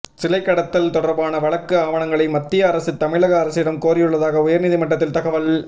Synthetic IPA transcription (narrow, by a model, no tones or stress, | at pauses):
sɪlɐɪkːɐɽɐt̪ːɐlt̪ɔɽɐɾbaːnɐʋɐɭɐkːɯaːʋɐɳɐŋɡɐɭɐɪmɐt̪ːɪjɐːɾɐsɯt̪ːɐmɪɭɐɣɐːɾɐsɪɽɐmkoːɾɪjɯɭːɐðaːɣɐʊjɐɾnɪðɪmɐʈːɐt̪ːɪlt̪ɐɣɐʋɐl